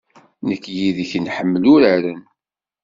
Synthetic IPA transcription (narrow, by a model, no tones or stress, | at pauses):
nəkːjiðçənħəmːlʊɾəɾən